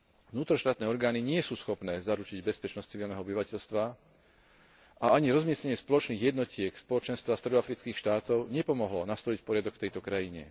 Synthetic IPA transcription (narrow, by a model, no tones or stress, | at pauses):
vnuːt̪ɾɔʃt̪aːt̪nɛːɔɾɡaːniɲɪɛsuːsxɔpnɛːzaɾut͡ʃiɟbɛspɛt͡ʃnɔst͡siʋilnɛɦɔɔbiʋacɛʎst̪ʋa | ʔaaɲiɾɔzmɪɛsɲɛɲɪɛspɔlɔt͡ʃniːɣjɛd̪nɔcɪɛkspɔlɔt͡ʃɛnst̪ʋast̪ɾɛd̪ɔafɾit͡skiːxʃt̪aːt̪ɔʊɲɛpɔmɔɦlɔnast̪ɔlicpɔɾɪad̪ɔkft̪ɛjt̪ɔkɾajiɲɛ̰